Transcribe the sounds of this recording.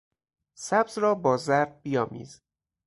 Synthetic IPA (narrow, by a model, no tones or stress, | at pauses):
sæbzɾɒːbɒːzæɾd̪̚bijɒːmḭːz